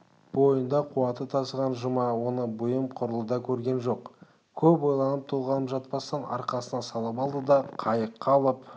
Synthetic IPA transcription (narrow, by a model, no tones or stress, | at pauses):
bo̞jənd̪ɑqʰuwɑt̪ət̪ʰɑsəʁɑnʒəmɑwo̞nəbʊjəmqʰʊɾəlˠəd̪ɑkʲʰɵɾɡʲe̞nʒo̞q | kʲʰɵpo̞jlˠɑnəp̚t̪ʰolˠʁɑnəpʒɑt̪̚pɑst̪ɑnʔɑ̰ɾqɑsənɑsɑlˠəp̬ɑlˠd̪əd̪ɑqʰɑjəqʰːɑlˠəp